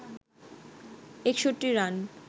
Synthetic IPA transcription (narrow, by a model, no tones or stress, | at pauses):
ekʃoʈːiɾan